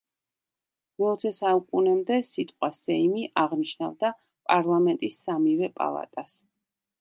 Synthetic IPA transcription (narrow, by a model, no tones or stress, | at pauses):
mɔːt̪sʰɛsaukʼunɛmd̪ɛsit̪ʼqʼwasɛimiʔaʁniʃnavd̪a | pʼaɾlˠamɛnt̪ʼisːamivɛpʼa̰lˠa̰t̪ʼas